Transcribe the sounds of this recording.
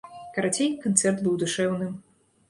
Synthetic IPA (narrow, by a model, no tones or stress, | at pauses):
kɐɾat͡sʲejkant̪sɛrt̪bɨwd̪uʂɛwnɨm